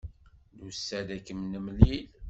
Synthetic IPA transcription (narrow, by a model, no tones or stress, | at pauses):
lusːæd̪ækːəmnəmlil